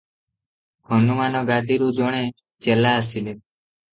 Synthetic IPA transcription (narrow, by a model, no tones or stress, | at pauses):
hənumanɔɡad̪ʱiɾud͡ʒoɽ̃e | t͡ʃelaəsile